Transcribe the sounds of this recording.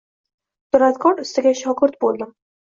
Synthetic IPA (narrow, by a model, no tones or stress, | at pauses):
t̪ʊɾat̪̚kʰɒɾʊst̪ɪɡʲaʃɒkʰʊɾt̪̚bolˠd̪ɪm